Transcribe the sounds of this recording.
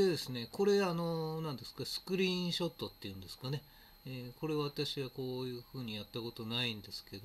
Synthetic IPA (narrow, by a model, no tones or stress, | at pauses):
ed̪e̞sɨne̞ko̞ɾe̞ano̞nãnd̪e̞sɨ̥kasɨ̥kɯ̟ɾʲĩɕo̞t̪ːo̞t̪ːe̞jɯ̟̃nd̪e̞sɨ̥kane̞ | eko̞ɾe̞aβat̪aɕiβako̞ːjɯ̟ːɸɯ̟ːɲ̟ijat̪ːako̞t̪o̞naĩnd̪e̞sɨ̥ke̞d̪o